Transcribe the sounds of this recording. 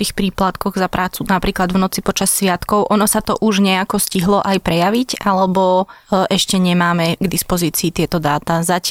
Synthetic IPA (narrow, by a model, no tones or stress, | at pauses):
t̪iːxpɾiːplat̪kɔɣzapɾʔaːt͡sunapɾiːklad̪vnɔt͡sipɔt͡ʃasːʋɪat̪kɔʊʔɔnɔsat̪ɔʔuʒɲɛakɔsciɦlɔʔajpɾɛjaʋiɟʔalɛbɔʔɛʃcɛɲɛmaːmɛɡd̪ispɔziːt͡siːt̪ɪɛt̪ɔd̪aːt̪azac